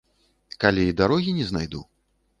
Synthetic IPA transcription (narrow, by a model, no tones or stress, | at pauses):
kalʲeid̪aɾɔɣʲinʲɛznajd̪ṵ